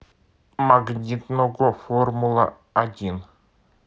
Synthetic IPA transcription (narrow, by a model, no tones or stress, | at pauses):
maɡnʲit̪noɡoformulˠa̰ | adʲin